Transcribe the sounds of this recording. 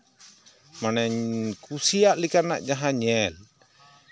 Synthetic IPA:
manɛɲkusijaʔlikana̰ʔd͡ʒaɦãɲɛl

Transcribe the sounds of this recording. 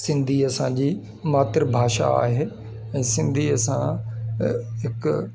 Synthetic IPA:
sɪ̃nd̪ʱiɐsãd͡ʑiː | maːt̪əɾbʱaːʃa̰a̰ːɦeː | ɛ̃ːsɪ̃nd̪ʱiɐsã | ɦɪk

